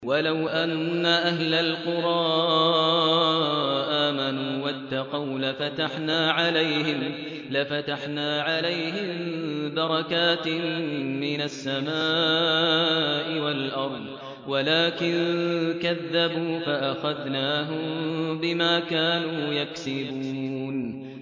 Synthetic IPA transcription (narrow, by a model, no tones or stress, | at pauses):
walawʔanːaʔahlalqʊɾˤɑː | ʔaːmanuːwat̪ːɑqɑwlafat̪aħnaːʕalajhɪm | lafat̪aħnaːʕalajhɪmbɑɾˤɑkaːt̪ | mɪnasːamaː | ʔɪwalʔɑɾˤd̪ˤ | walaːkɪnkaðːabuːfaʔaxaðnaːɦʊmbɪmaːkaːnuːjaksɪbuːn